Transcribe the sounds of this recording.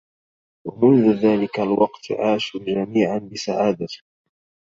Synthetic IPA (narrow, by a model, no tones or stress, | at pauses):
wamʊnðʊðaːlɪkalwɑqt̪ʕaːʃud͡ʒamiːʕanbɪsa̰ʕaːd̪atɪ